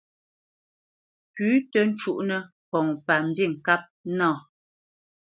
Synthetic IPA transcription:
pʉː˨˦tə˨n˦t͡ʃu˦ʔnə˨ | pɔ˨ŋpa˨m̩˨bi˦˨ŋ̩˨ka˦p̚nãː˦˨

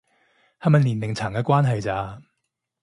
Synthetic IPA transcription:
haː˨˧mɐ˨˩liː˨˩nlɪ˨ŋt͡sʰaː˨˩ŋkɛː˧kwaː˥nɦɐ˨jt͡saː˧

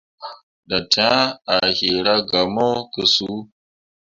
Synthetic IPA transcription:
ɗa˨tʰa˦a˨hi˨ɾa˦ɡa˨mo˦kə˦su˦

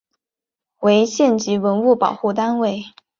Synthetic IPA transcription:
we˧˥ɪɕjɛ˥˩nt͡ɕi˧˥wə˧˥nu˥˩pɑ˨˩ʊxu˥˩t̪a˥nwe˥˩ɪ

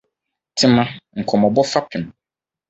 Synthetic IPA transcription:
tʰɪ˦mã˦ŋ̩˨kʰɔ˨mɔ̃˨bɔ˦fa˦pʰɪ˨m˨

